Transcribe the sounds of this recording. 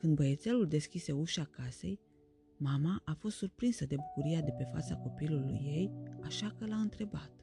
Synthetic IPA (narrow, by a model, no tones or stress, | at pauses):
kɨnd̪bəje̞t̪se̞luld̪e̞skʲise̞uʃakase̞̰j | mamaʔafo̞st̪surpɾinsəd̪e̞bukuɾiad̪e̞pe̞fa̰t̪sako̞pilulṵjːe̞jaʃakəlaɨnt̪ɾe̞bat̪